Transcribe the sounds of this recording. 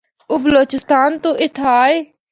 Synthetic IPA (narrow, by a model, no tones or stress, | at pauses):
ʊbəloːt͡ʃɪst̪aːnt̪ũːʔɪt̪ʰaːe